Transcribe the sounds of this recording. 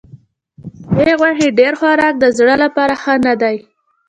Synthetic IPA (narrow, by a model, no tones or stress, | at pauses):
eɣwahiɖeɾxwaɾɑk̚d̪əzɽəlapɑɾaxənad̪aj